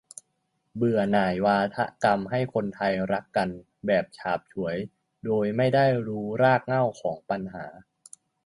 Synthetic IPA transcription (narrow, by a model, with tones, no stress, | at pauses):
bɯ˨˩ənaː˨˩jwaː˧t̪ʰa̰˦˥ʔka˧mɦa˥˩jkʰo˧nt̪ʰa˧jɾa˦˥kːa˧n | bɛː˨˩p̚t͡ɕʰaː˨˩p̚t͡ɕʰu˩˦əj | doː˧jma˥˩jda˥˩jɾuː˦˥ɾaː˥˩k̚ŋa˥˩wkʰɔː˩˦ŋpa˧nɦaː˩˦